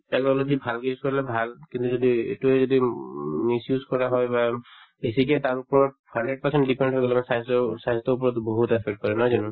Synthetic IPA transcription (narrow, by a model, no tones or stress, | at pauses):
tɛknɔlod͡ʒibʱalkejuskɔɹilɛbʱalkint̪uzodiḛtuɛzɔdimisjuzkɔɹaɦɔjba | besikɛtaɹupɔɹɔt̚handeɖ̚pasɛntdipɛ̃nɖɦɔjɡɔlɛmanɛsãzɔsãstɔup̬ɔɹɔt̪boɦutɛpʰɛk̚ʈ̚kɔɹɛnɔjzanʊ̃